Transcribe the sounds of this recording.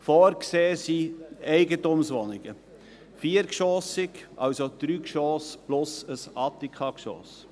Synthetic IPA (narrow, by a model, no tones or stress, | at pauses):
fɔːɾkseːsiɛɪɡətumsʋɔnɪɡ̥ə | fiːəɾkʃɔːsɪkʔɑwsod̪̥ɾyːkʃɔːsb̥lʊsəsɑt̪ːikχɑkʃɔ̰ːs